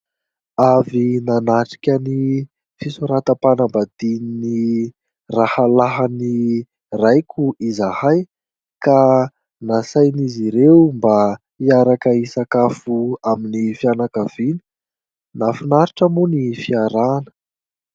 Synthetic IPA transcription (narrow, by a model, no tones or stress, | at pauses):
avinanaʈ͡ʂi̥kʲəni | fisuɾat̪əpanambad̪inini | rahalaɦani | rajkʲʰuʔizahaj | ka | nasajniziɾewmba | iaɾakəisakafuaminifianakav̥ini̥ | nafinaɾiʈ͡ʂəmunifiaɾanə̥